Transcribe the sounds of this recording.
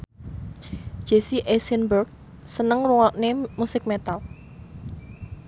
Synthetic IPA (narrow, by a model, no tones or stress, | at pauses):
d̥ʒ̥esiʔesɛnbərɡ̚ | sənəŋruŋɔnemusɪk̚mɛt̪al